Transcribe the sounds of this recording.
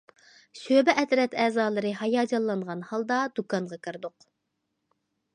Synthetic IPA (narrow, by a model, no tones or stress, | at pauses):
søbɛʔɛt̪ɾɛt̪ɛːzɑːlˠɨɾɨɦɑjɑːd͡ʒɑlˠːɑnʁɑnhɑlˠd̪ɑd̪̥ukɑnʁɑkʲʰɨɾd̪ʊq